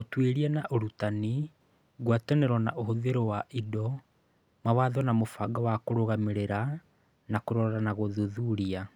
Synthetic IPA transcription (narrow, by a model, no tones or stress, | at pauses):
otweɾianaʔoɾutani | ɣwatɛnɛɾwɔna̰ʔoɦoðeɾowaʔidɔ | mawaðɔnamofaɡawakoɾoɣameɾeɾa | nakoɾɔɾɔɾanaɣoðoðuɾia